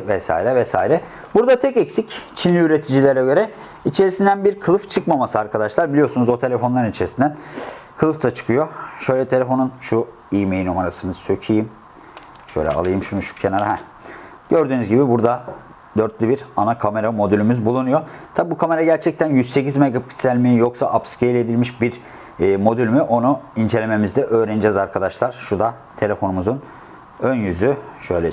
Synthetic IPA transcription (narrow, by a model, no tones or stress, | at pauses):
vɛsa̰iɾɛvɛsa̰ːiɾɛ | buɾd̪at̪ʰɛcɛcsict͡ʃʰinlʲiyɾe̞t̪ʰid͡ʒilʲeɾɛɟø̞ɾɛ | it͡ʃʰe̞ɾisind̪ænbiɾkʰɯlˠɯft͡ʃʰɯkmamasɯaɾkʰad̪aʃlˠaɾbilʲijo̞ɾsunuzot̪ʰelʲefo̞nlˠaɾɯnit͡ʃʰe̞ɾisind̪ænkʰɯlˠɯft̪ʰat͡ʃʰɯ̥kʰɯjo̞ʃø̞jlʲɛt̪ʰe̞lʲefo̞nunʃu | ijmejinumaɾasɯnɯzsʰøcʰijim | ʃø̰jlʲɛ̰a̰lˠɯjɯmʃunuʃu̥cʰenaɾaɦɛ | ɟ̥øɾd̪yːnyzɟibibuɾd̪a | d̪øɾt̪lʲibiɾanakʰame̞ɾamo̞d̪ylʲymyzbulˠunujo̞t̪ʰabibukʰame̞ɾaɟæɾt͡ʃʰɛc̚t̪ʰænjyzse̞cizmeɡapʰi̥sælʲmiijoksaʔapscʰejlʲe̞d̪ilʲmiʃbiɾː | mo̞d̪ylʲmyʔo̞nuind͡ʒe̞lʲe̞me̞mizd̪ɛʔøːɾenid͡ʒɛzaɾkʰad̪aʃlˠaɾ̥ʃud̪a | t̪ʰe̞lʲe̞fo̞numuzun | ønjyzyʃø̞jlʲɛ